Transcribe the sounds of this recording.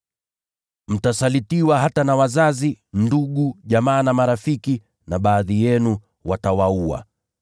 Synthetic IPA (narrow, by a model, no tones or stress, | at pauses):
m̩tasalitiwaɦatanawazazinduɠuʄamaːnamaɾafiki | naɓaːðijɛnu | watawaua̰